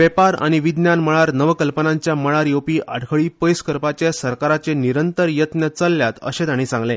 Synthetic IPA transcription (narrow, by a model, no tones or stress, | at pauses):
ʋepaɾa̰ɽ̃iʋid̪njanməɭaɾnəʋəkəlpənaɲt͡ɕjaməɭaɾjowpiːʔaɽkʰəɭiːpəjskəɾpat͡ɕjasəɾkaɾat͡seniɾənt̪əɾjət̪njət͡səlːjat̪ə̰ɕet̪aɽ̃isãŋɡlẽ